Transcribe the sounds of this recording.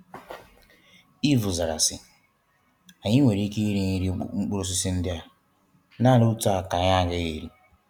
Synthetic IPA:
i˦vu˨za˨ɾa̰˨sɪ˨ | a˨ɲɪ˦ŋʷe˨ɾi˦ki˦i˦ɾi˦ɲi˦ɾi˦ŋ͡m̩˦k͡pʊ˦ɾʊ˦s̬ɪ˦si˦n̩˦dɪ˦a˦ | na˦˨lu˦u˦ta˨ka˨ɲa˦ɡe˦je˨ɾi˦

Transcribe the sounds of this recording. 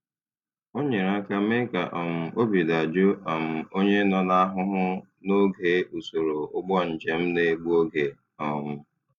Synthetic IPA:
o˦ɲe˨ɾa˦ka˦me˦ka˨ʔɔ˨m̩˨o˦bi˨da˨d͡ʒu˦a˨m̩˨o˦ɲe˦nɔ˨na˦ɦʊ˦ɦʊ˦ | no˦ɡe˨u˨so˨ɾo˨ʊ˦ɡ͡bɔ˦n̩˨d͡ʒe˨m̩˦ne˦ɡ͡bu˦o˦ɡe˨ | ɔ˨mʊ˦

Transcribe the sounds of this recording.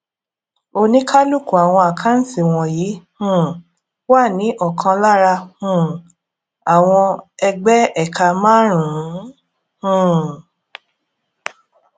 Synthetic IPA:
o˧nĩ˦kʰa˦lu˦˨ku˨a˨w̃ɔ̃˧a˨kʰa˨˦n̩˦sĩ˦˨w̃ɔ̃˨ji˨˦hũ˦˨ | wa˦˨nĩ˨˦ʔɔ˦˨kʰã˧la˦˨ɾa˧hũ˦˨ | a˨w̃ɔ̃˧ɛ˧ɡ͡bɛ˦ɛ˦˨ka˧mãː˦ɾ̃ũ˨ũ˨˦ | hũ˦˨

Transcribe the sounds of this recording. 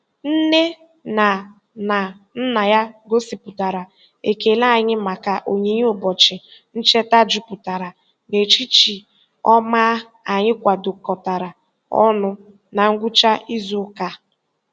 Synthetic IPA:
n̩˦ne˦ | na˨ | na˨ | n̩˦na˨ja˦ɡo˦si˨pʊ˨ta˨ɾa˨ | e˨ke˨la˦a˨˦ɲɪ˦ma˨ka˨ʔo˨ɲe˨˦ɲ˦ʊ˨bɔ˨t͡ʃɪ˨n̩˦t͡ʃe˦ta˦d͡ʒu˦pʊ˨ta˨ɾa˨ | ne˨t͡ʃi˦t͡ʃi˨ | ɔ˦maː˦ | a˨ɲɪ˦kʷa˨dʊ˨kɔ˨ta˨ɾa˨ | ɔ̰˦nʊ˦ | na˨ŋ̩˦ɡʷu˦t͡ʃa˦i˦zu˦ka˦

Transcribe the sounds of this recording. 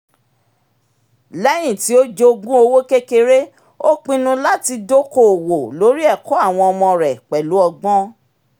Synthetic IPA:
lɛ˦j̃ĩ˨ti˨˦o˦d͡ʒo˧ɡũ˦o˧wo˦ke˦ke˧ɾe˦ | o˦k͡pĩ˧nũ˧la˦ti˧do˦ko˦˨wo˨lo˨˦ɾi˦ɛ˦˨ko˦a˦˨w̃ɔ̃˧ɔ˧mɔ̃˧ɾɛ˨k͡pɛ˨lu˨˦ɔ˧ɡ͡bɔ̃˦

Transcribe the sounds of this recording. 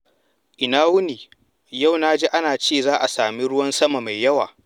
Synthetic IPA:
ʔɪ˨naː˦wʊ˦niː˨ | ja˦˨wnaː˦d͡ʒe˦ʔa˦naː˨t͡ʃeː˦˨zaː˦ʔa˨saː˨mi˦ɽʊ˦wɐ˦nsɐ˦ma˨ma˨jjːɐ˦wa̰ː˨

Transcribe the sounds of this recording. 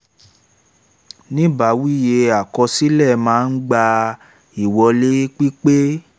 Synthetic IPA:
nĩ˦ba˨˦wi˦je˧a˨kɔ˧si˦lɛ˦˨mãː˦˧n̩˦ɡ͡ba˧ | i˦˨wɔ˧le˦k͡pi˦k͡pe˦

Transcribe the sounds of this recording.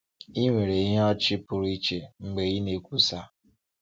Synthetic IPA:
i˦ŋʷe˨ɾe˨i˦ɦe˦ɔ˦t͡ʃɪ˦pʊ˨ɾi˦t͡ʃe˨ŋ͡m̩˨ɡ͡be˨ɣi˦ne˨kʷu˦sa˦

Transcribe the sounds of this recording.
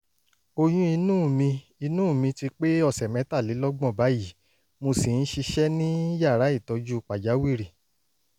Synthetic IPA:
o˧j̃ũ˦i˧nũː˦˨mĩ˧ | i˧nũː˦˨mĩ˧ti˧k͡pe˦ɔ˦˨sɛ˨mɛ̃˨˦ta˦˨li˨˦lɔ˦ɡ͡bɔ̃˦˨ba˨˦ji˨˦ | mo˧si˨n̩˦ʃi˧ʃɛ˦nĩ˦ja˦˨ɾa˨˦i˦˨tɔ˨˧d͡ʒu˦k͡pa˨d͡ʒa˨˦wi˦˨ɾi˨

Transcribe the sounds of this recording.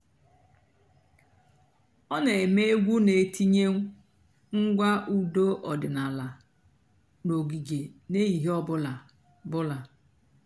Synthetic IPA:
ɔ˦ne˨e˨me˦e˦ɡʷu˦ne˨e˨ti˦ɲe˦ŋ̩ʷ˦ | ŋ̩˦ɡʷa˦ʔu˦do˦ʔɔ˨dɪ˨na˨la˨ | no˨ɡi˨ɡe˨ne˦i˨ɦɔ˦bʊ˦la˨ | bʊ˦la˨

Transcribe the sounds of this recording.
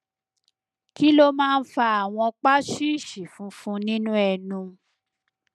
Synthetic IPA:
ki˦lo˦mãː˦˧n̩˦fa˧a˨w̃ɔ̃˧k͡pa˦ʃi˦i˦˨ʃi˨fũ˨˦fũ˦nĩ˦nũ˦ɛ˧nũ˧

